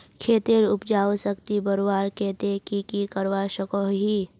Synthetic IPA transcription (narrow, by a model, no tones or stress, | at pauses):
kʰeːt̪eɾʊpd͡ʒaːosəkt̪ibəɾwaːɾkɛːt̪ekikikəɾwaʃəkoɦi